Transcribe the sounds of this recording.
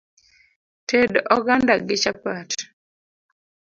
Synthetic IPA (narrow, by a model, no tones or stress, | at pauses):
tedɔɡandaɡɪt͡ʃapat